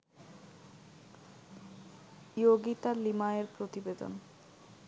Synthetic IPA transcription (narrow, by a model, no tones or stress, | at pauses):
joɡit̪alimaeɾpɾot̪ibed̪o̰n